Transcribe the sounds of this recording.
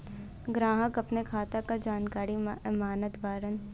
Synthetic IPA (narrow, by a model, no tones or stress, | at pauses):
ɡɾaːɦəkɐpnekʰaːt̪akad͡ʒaːnkaːɾimaːnət̪bʱaːɾən